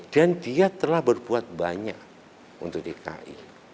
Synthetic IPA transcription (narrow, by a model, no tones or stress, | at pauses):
d̥andiat̪əlahbərbuat̪̚baɲak̚ | ṵnt̪ʊk̚t̪eka̰ʔḭ